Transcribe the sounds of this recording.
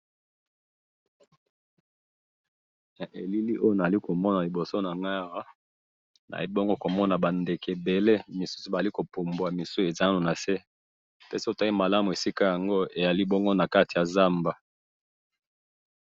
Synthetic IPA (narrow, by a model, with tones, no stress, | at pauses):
ja˨ʔe˨li˦li˦ʔo˦jo˦na˨a˨li˦ko˨mɔ˦na˨li˨bo˨so˦na˨ŋɡa˦a˦˨wa˦ | na̰˨li˦bɔ˦ŋɡo˦ko˨mɔ˦na˨ba˨nde˨kɛ˨be˨le˦mi˨su̥˦su˨ba˨a˨li˦ko˨po˨mbwa˨mi˨so˦e˨za˦a˦no˨na˨se˦ | pɛ˦si˦o˨ta˦i˦ma˨la˦mu˨e˨si˦ka˦ja˨ŋɡo˦e˨ja˨li˦bɔ˦ŋɡo˦na˨ka˦ti˨ja˨za˦mba˨